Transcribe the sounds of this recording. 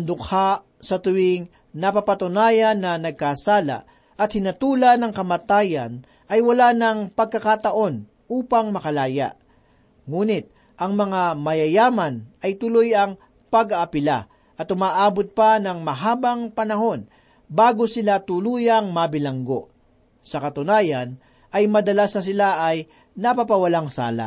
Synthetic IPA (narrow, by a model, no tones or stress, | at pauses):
ɐnd̪ʊkʰaʔ | sɐt̪ʊwɪŋ | nɐpapɐt̪ʊnaːjɐnːɐnɐɡ̚kasaːla̰ | ʔɐt̪hɪnɐt̪uːlɐnɐŋkɐmat̪aːjɐ̰n | ʔɐjwɐlanɐŋpɐɡ̚kɐkat̪ɐʔo̞n | ʔuːpɐŋmɐkɐlaːja̰ʔ | ŋuːnɪt̪̚ | ʔɐŋmɐŋamɐjɐjaːmɐnɐjt̪ʊlojɐŋ | pɐɡaːpɪla̰ | ʔɐt̪ʔʊmaːʔaːbot̪̚pɐnɐŋmɐɦaːbɐŋpɐnɐɦo̞n | baːɡo̞sɪlat̪ʊluːjɐŋmɐbɪlɐŋɡo̞ʔ | sɐkɐt̪ʊnaːjɐn | ʔɐjmɐd̪ɐlasnɐs̬ɪlaʔɐj | nɐpapɐwɐlaŋsa̰ːla̰ʔ